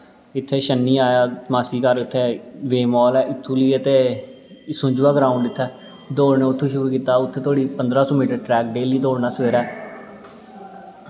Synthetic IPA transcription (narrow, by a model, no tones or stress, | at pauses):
ɪt̪ʰːeːʃənːiːaːjaːmaːsiːkəɾɪt̪ʰːeːʋeːmɔːlɛːʔɪt̪ʰːũːliːət̪eː | sʊ̃ɲd͡ʒʋaːɡɾaːuɳɖɪt̪ʰːɛː | d̪oːɽneːʊt̪ʰːũːʃʊɾuːkiːt̪aːʊt̪ʰːeːt̪ʰoːɽiːpənd̪ɾaːsõːmiːʈəɾʈɾɛːk̚ɖeːliːd̪oːɽnaːsʋeːɾɛː